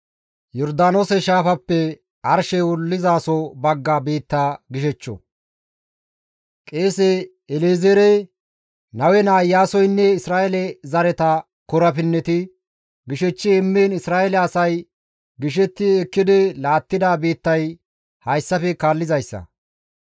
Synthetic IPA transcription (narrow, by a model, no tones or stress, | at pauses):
jɔɾd̪aːnoːsɛʃaːfɐpːɛ | ɐɾʃɛwʊlːɪzaːsɔbɐɡːaːbiːt̪ːaːɡɪʃɛt͡ʃːɔ̰ | kʼeːsɛ | ɛleːzeːɾɛ | nɐwɛnaːjːaːsɔjnːɛɪsɾaːʔɛlɛzɐɾɛt̪ɐ | kɔɾɐpɪnːɛt̪ɪ | ɡɪʃɛt͡ʃːɪɛmːeːnɪsɾaːʔɛlɛɐsɐj | ɡɪʃ̬ɛt̪ːɪɛkːɪd̪ɪlaːt̪ːɪd̪aːbiːt̪ːɐj | hɐjsːɐfɛkaːlːɪzɐjsːɐ̰